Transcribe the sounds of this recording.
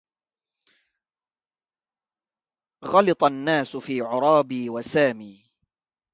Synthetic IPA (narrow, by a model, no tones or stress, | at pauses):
ɣɑlɨt̪ˤɑnːaːsʊfiːʕʊɾˤɑːbiːwasaːmiː